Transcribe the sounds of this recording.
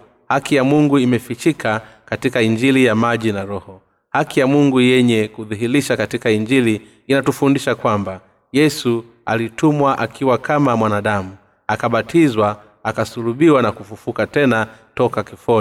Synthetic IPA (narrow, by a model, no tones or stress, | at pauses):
hakijamuŋɡuimɛfit͡ʃikʰakatikaiɲd͡ʒilijamaʄinaɾɔhɔ | hakijamuŋɡujɛɲɛkuðiɦiɾiʃakatikaind͡ʒili | inatufundiʃakwamba | jɛsu | a̰litumwaʔakiwakamamwanaɗamu | akaɓatʰizwa | akasuluɓiwanakufufukatɛnatɔkakifɔ